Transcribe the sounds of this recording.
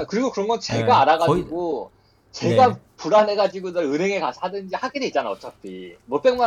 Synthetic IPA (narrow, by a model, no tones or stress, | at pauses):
akɯɾiɡokɯɾʌnɡʌnt͡ɕe̞ɡaaɾaɡad͡ʑiɡo | t͡ɕe̞ɡa | puɾanɦe̞ɡad͡ʑiɡonʌɭɯne̞ŋekaadɯnd͡ʑihaɡedeit̚t͡ɕ͈anaʌt͡ɕ͈apʰḭmʌt͈eŋma